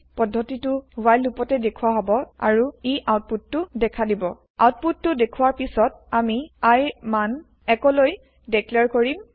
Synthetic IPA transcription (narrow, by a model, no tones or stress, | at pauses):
pɔdʱːɔtitʊwajlːupɔtɛdekʰuwaɦɔbɔa̰ɹuiʔawt̚putːʊdɛkʰadibɔ | a̰wt̚putːʊdekʰuwaɹpisɔt̚ | amiajman | ɛkɔloj | dɛklɛɹkoɹim